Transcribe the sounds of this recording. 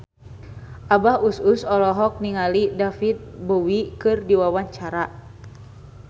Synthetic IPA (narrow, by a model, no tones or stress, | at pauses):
ʔabahususɔlɔɦɔk̚niŋalidafit̪̚bowikɨrdiwawaɲt͡ʃaɾa